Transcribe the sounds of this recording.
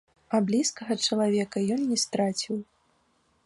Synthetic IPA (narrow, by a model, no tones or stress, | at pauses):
ɐblʲiskɐɣɐt͡ʂɐlˠavʲɛkɐjɔnːʲɛst̪ɾat͡sʲiw